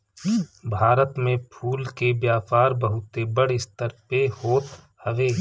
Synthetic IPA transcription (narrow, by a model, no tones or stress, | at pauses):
bʱaːɾət̪mẽpʰuːlkebjaːpaːɾbəɦʊt̪ebəɽɪst̪əɾpehoːt̪ | həʋeː